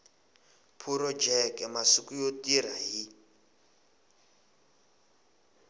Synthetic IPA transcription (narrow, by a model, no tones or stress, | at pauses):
pʰuɾɔd͡ʒɛkɛmasikujotiɾaɦi